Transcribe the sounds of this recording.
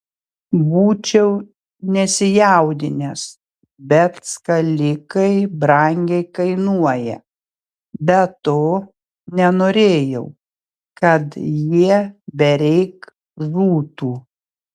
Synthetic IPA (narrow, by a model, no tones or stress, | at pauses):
buːt͡ʃʲɛʊ | nʲɛsʲɪjæˑʊd̪ʲɪnʲɛs | bʲɛt̪skɐlʲɪkɐɪbɾɐŋʲɡʲɛɪkɐɪnuɔjɛ | bʲɛt̪oː | nʲɛnoːɾʲeːjɛʊ | kɐt̪jiɛbʲɛɾʲɛɪk | zuːt̪uː